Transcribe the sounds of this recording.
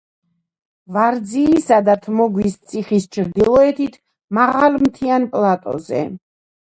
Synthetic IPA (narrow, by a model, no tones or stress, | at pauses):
vaɾd̪ziːsad̪at̪ʰmɔɡwist̪sʼʰiχist͡ʃʰɾd̪ilˠɔɛt̪ʰit̪ʰ | maʁalmt̪ʰianpʼlˠat̪ʼɔ̰zɛ̰